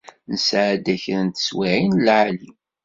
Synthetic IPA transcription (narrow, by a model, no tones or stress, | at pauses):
nsʕd̪æçɾənt̪ə̥swiʕinlʕali